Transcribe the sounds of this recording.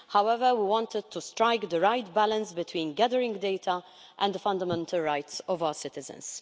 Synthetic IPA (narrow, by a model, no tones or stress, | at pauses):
hawɛvəɾwiwɔ̃nt̪ɪd̪̚t̪ustɾajɡd̪əɹajt̪bælə̃nsbɪt̪wĩːnɡæd̪əɾɪ̃ŋɡd̪ejt̪ʰɐ | ʔɛ̃nd̪əfɐ̃nd̪əmɛ̃nt̪ʰəlɹajt̪sɔvawəɹsɪt̪ɪzə̰̃ns